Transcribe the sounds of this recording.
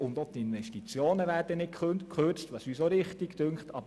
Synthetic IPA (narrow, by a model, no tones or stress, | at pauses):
ʊnd̪ot̪ɪnʋɛʃtit͡sjoːnəʋæːɾdənɪt̚kχønkʰχøɾt͡stʋɑsysoɾɪχtiktʉŋtɑ̰bə